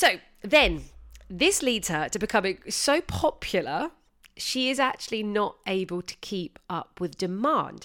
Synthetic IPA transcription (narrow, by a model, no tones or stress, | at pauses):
səʊ | ðə̃nðɪsliːdz̥ətʰəbɪkʰʌ̃mɪ̃ŋsəʊpʰɒpʰjl̩ˠə | ʃiɪzak̚t͡ʃʉuəlinətʔeɪbəlˠtʰə̥kʰiˑpʌp̚ʰwɪðdɪmɑ̰̃ˑnd̥